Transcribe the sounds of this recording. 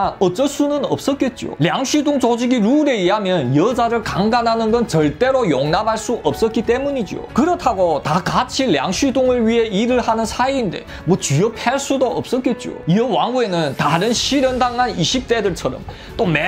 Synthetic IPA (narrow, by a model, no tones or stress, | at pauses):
ʌt͡ɕ͈ʌs͈unɯnʌ̰p̚s͈ʌt̚k͈e̞t̚t͡ɕ͈io̰ljaŋɕʰɥidoŋt͡ɕod͡ʑiɡiɾuɾe̞iɦamjʌnjʌd͡ʑaɾɯɭkaŋɡanɦanɯnɡʌnt͡ɕʌɭt͈e̞ɾojoŋnabʱaɭs͈uʔʌp̚s͈ʌt̚k͈it͈e̞muɲid͡ʑio̰kɯɾʌtʰaɡotakat͡ɕʰilja̰ŋɕʰɥidoŋɯɭɥiɦe̞iɾɯɭhanɯnsʰaiːnde̞ | mʌt͡ɕijʌpʰaɭs͈udoʌ̰p̚s͈ʌt̚k͈e̞t̚t͡ɕ͈io̰iʌwaŋɡue̞nɯntaɾɯnɕʰiɾjʌndaŋːaniɕʰik̚t͈e̞dɯɭt͡ɕʰʌɾʌ̰m | t͈ome